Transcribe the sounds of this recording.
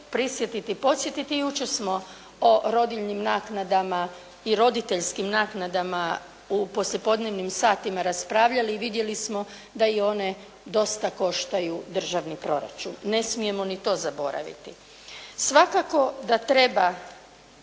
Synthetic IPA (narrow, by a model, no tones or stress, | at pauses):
pɾisjet̪it̪ipo̞t̪sʲjet̪it̪ijut͡ʃesmo̞ | oɾo̞d̪iʎnimnaːknad̪ama | iɾo̞d̪it̪e̞ʎskimnaːknad̪ama | upo̞sʎe̞po̞d̪neʋnimsaːt̪imaɾaspɾaːʋʎaliːʋid̪je̞lismo̞ | d̪aio̞ne̞ | d̪o̞st̪ako̞ʃt̪ajud̪r̩ʒaʋnipɾo̞̰ɾa̰t͡ʃṵnːe̞smije̞mo̞nit̪o̞ːzabo̞̰ɾa̰ʋḭt̪i | sʋakako̞d̪at̪ɾe̞ba